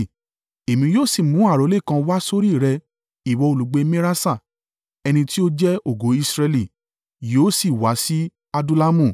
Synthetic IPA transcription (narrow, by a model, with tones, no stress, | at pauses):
e˨mĩ˧joː˦˨si˦˨mũ˨˦a˦˨ɾo˨˦le˦˨kã˧wa˦so˦ɾi˦˨ɾɛ˧ | i˨wɔ˧o˨lu˨˦ɡ͡be˧mẽ˦ɾa˦sa˦˨ | ɛ˧nĩ˧ti˦o˦d͡ʒɛ˦o˦˨ɡo˨˦i˧sɾɛ˧li˨ | joː˦si˨wa˨˦si˦ | a˧du˦la˦mũ˦˨